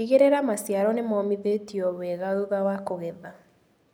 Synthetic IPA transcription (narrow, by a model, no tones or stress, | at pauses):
iɣeɾeɾamasjaɾɔnemɔmiðetiɔβwɛɣauðawakoɣɛða